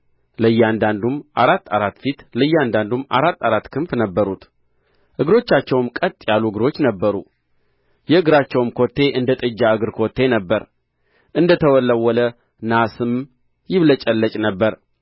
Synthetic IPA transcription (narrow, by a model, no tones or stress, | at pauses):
ləjːɛand̪and̪umʔaɾat̪ːaɾat̪ːfit̪ləjːand̪and̪uma̰ɾat̪ːaɾat̪ːkʰɨmfnəbːəɾut̪ | ʔɨɡɾo̞t͡ʃːat͡ʃːɛwmkʼət̪ʼjalːuɨɡɨɾo̞t͡ʃːnəbːəɾu | jɛɨɡɨɾat͡ʃːɛwmkʰo̞t̪ːe̞ʔɨnd̪ət̪ʼɨd͡ʒːaɨɡɨɾkʰot̪ːe̞nəbːəɾ | ʔɨnd̪ət̪ʰəwɔlːəwɔlə | nasɨm | jɪβlət͡ʃʼɛlːət͡ʃʼnəbːəɾ